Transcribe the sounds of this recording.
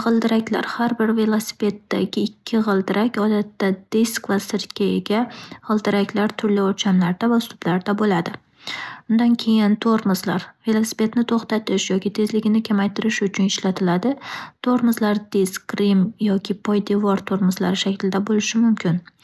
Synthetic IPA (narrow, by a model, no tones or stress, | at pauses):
ʁɨlˠd̪ɪɾakʲla̰ɾhaɾbɪɾve̞lˠosɪ̥pe̞t̪ːa̰ɡʲɪːkʲʰːɪʁɨlˠd̪ɪɾʔakʲɒd̪at̪ːad̪̥eskvasɪɾt̪kʲʰaeɡʲaʁɨlˠd̪ɪɾakʲʰlaɾt̪ʰʊɾlɪɒɾt͡ʃʰamlaɾd̪̥avaʊst̪ʊb̥laɾd̪abolad̪ɪ | ʊnd̪ankʲʰe̞jɪnt̪ʰoɾmʊzlaɾve̞lˠosɪ̥pe̞t̪nɪt̪ʰoχt̪at̪ʰɪʃjɒkʲɪt̪ʰe̞zlɪɡʲɪnɪkʲʰamajt̪ʰɪɾɪʃʊt͡ʃʰʊnɪʃlat̪ʰɪlad̪ɪt̪ʰoɾmʊzlaɾd̪eskɾimjɒkʲʰɪpʰɒjd̪evɒɾt̪ʰoɾmʊzla̰ɾɪʃakʲlɪd̪abolɪʃɪmʊmkʲʰɪn